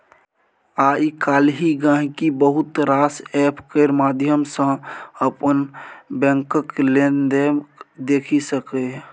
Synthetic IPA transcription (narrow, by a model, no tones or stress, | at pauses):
aːikaːlɦiɡãːɦkibəɦʊt̪ɾaːsɛːpʰkeɾmaːd̪ʱjəmsə̃əpənbɛ̃ːŋkəklend̪ed̪eːkʰisəkeɦ